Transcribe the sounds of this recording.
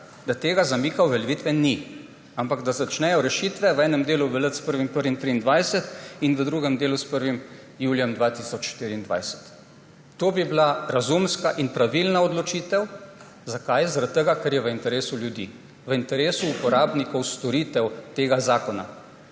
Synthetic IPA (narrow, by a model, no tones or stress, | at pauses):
d̪at̪eːɡazamiːkawʋɛlʋiːt̪ʋɛni | ampaɡd̪azat͡ʃnɛjɔɾɛʃit̪ʋɛʋɛːnɛmd̪eːluʋɛlət̪spəɾʋimpəɾʋint̪ɾiːnd̪ʋajsɛt̪inʋəd̪ɾuːɡɛmd̪eːluspəɾʋim | juːljɛmd̪ʋat̪isɔt͡ʃʃt̪iːɾiːnd̪ʋa̰jsɛ̥t̪ː | oːbiblaɾazumskaʔinpɾaʋilnaɔd̪lɔt͡ʃiːt̪ɛw | zakajzaɾat̪̚t̪ːəɡakɛɾjɛʋəint̪ɛɾeːsuljud̪ḭ | ʋəint̪ɛɾeːsuːpɔɾaːbnikɔwst̪ɔɾit̪ɛwt̪eːɡazaːkɔna̰